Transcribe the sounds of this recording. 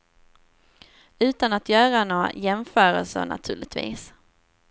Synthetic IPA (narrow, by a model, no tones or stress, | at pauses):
ʉ̟ːt̪anat̪jœːɾanoːajɛmfœːɾəlsə̰na̰t̪ʰʉ̟ːɭɪt̪vḭːs